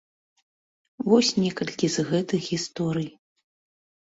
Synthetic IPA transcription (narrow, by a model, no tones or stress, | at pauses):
vɔsʲnʲɛkɐlʲkʲizɣɛt̪ɨxɣʲist̪ɔɾɨj